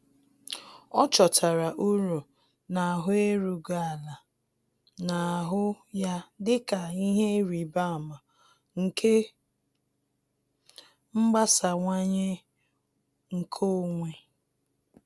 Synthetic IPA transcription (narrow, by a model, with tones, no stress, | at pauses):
ɔ˦t͡ʃɔ˨tʰa˨ɾa˨ʔu˦ɾu˨ | na˨ɦʊ˦e˦ɾu˨ɡa˦˨a˨la˨ | na˨ɦʊ˦ | ja˦dɪ˦ka˨i˦ɦe˦ɾi˨ba˦a˨ma˨ | ŋ̩˨kʰe˦ | ŋ͡m̩˦ɡ͡ba˦sa˨ŋʷa˦ɲe˦ | ŋ̩˨kʰo˦ŋʷe˨